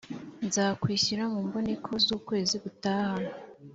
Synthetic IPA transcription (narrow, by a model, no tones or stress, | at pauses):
nzaːkwiːçiɾamuːmbo̞ne̞kʰo̞zuːkwe̞ːziβutaːhano